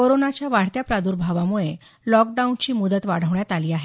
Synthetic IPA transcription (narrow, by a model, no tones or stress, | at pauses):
koɾonat͡ɕjaʋaɽ̤t̪japɾad̪uːɾbʱaʋamuɭe | lɔk̚ɖaunt͡ɕiːmud̪ət̪ʋaɽ̤əʋɳjat̪aliːaɦe